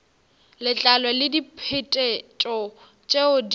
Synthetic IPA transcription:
lɪt͡ɬʼalɔlɪdipʰetʼɛt͡ʃʼɔ | t͡ʃʼeʊd

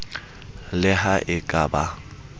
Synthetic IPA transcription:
lɪɦaʔɪkʼaba

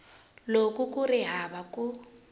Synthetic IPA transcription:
lokʼukʼʊrɪɦabakʼu

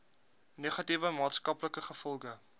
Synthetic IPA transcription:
neːχɐtivəmɑːtskɐpləkəχəfɔlˠɡə

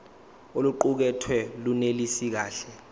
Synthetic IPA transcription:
oluǃuk̬ɛtʰwɛlunelisik̬aːɬɛ

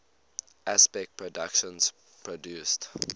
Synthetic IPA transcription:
ʔaspɛk̚t̚pʰɹɔdakʃə̃ns | pʰɹodjust

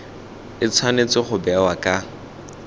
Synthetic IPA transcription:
ɪt͡sʰwanet͡sɪχʊbɛawakʼa

